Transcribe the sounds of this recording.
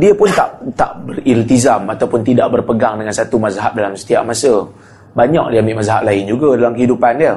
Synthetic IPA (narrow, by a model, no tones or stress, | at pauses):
diəpʊnt̪a̰ʔt̪aʔbərilt̪izamat̪awpʊnt̪idaʔbərpəɡaŋdəŋansat̪umazaɦap̚dalamsə̥t̪ia̰ʔ̚masə | baɲa̰k̚diambiʔmazaɦa̰ʔ̚laɪnd͡ʒuɡadalamkəhidupanjə